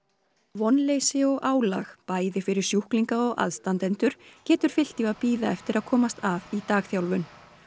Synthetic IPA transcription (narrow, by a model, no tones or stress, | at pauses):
vɔnlejsɪɔɣʔaːwlaxpaːjðɪfɪɾɪɾ̥sjuhkliŋkaɔɣa̰ðst̪ant̪ɛnt̪ʏɾ̥cɛːt̪ʏɾ̥fɪl̥t̪ivaðpiːðaɛft̪ɪɾaðkʰɔːmast̪avit̪aːxθjawlvʏn